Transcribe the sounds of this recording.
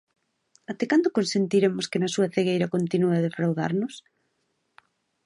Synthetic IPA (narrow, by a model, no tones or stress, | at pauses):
at̪ekand̪okonsent̪iɾemʊskenɐsuɐθeɣejɾɐkont̪inuaðefɾawða̰ɾnʊs